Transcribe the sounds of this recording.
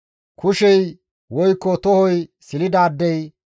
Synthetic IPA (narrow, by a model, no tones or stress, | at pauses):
kʰʊʃɛj | wɔjkːɔt̪ɔhɔjsɪlɪd̪aːd̪ːɛj